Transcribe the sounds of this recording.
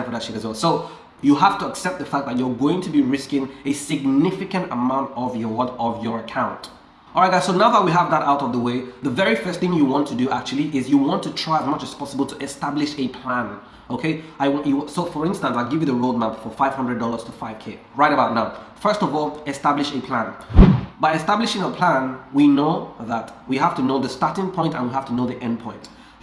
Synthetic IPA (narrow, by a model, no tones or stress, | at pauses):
pʰɹədʌkʃnəzosoʊ | jəɦæftəəksɛp̚t̪̚ðəfæk̚ðət͡ʃjə˞ɡoʊɪ̃ŋtʰɨbiɹɪskɪ̃ŋɨsɪɡ̚nɪfɪkə̃ntəmãʊ̃ntɔvjəwɔ̃nɔvjə˞əkʰãʊ̃nt | ɔlˠɹaɪɡaɪzsoʊnaʊðət̚wiɦəvðəɾaʊɾʌvðəweɪðəvɛɹifɜ˞stθɪ̃ŋjɨwɑ̃ntʰɨdɨʔak̚t͡ʃʉl̩ˠiʔɪzjɨwɑ̃ntʰɨtʰɹ̥aɪəzmʌt͡ʃɨz̥pʰɔsəbəl̩ˠtʰəɛstablɪʃɨpʰl̥æ̃n | oʊkʰeɪaɪwjɨsoʊfə˞ɪ̃nstə̃nsaɪlˠɡɪvjɨðəɹoʊd̚mapfə˞faɪv̥hʌ̃ndɹədɔlˠə˞z̥tʰəfaɪv̥kʰe | ɹaɪɾəbaʊtⁿnaʊfɜ˞stɔvɔlˠɛstablɪʃɨpʰl̥ãnbaɪɨstablɪʃɪ̃ŋəpʰl̥æ̃nwinoʊðətwiɦaftɨnoʊðəstɑɹtɪ̃ŋpʰɔ̃ɪ̃ntə̰̃nwiɦaftʰənoʊðiʔɛ̃ndpʰɔ̃ɪ̃nt